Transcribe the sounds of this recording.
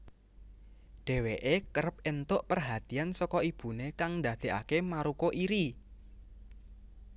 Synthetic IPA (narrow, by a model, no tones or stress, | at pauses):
ɖ̥e̤weʔekəɾəp̚ent̪ʊʔpərɦat̪iansɔkɔib̥ṳnekaŋnd̪a̤d̪̥e̤ʔa̰kemaɾukoʔiɾi